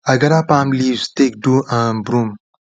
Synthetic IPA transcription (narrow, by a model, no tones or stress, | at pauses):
ɐɡɐɾapaːmlizt̪ek̚ɖuʔãmbɾum